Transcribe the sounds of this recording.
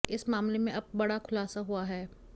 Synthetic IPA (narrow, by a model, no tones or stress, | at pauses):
ɪsmaːmlemẽʔɐb̚ːɐɽakʰʊlaːsaɦuaɦɛː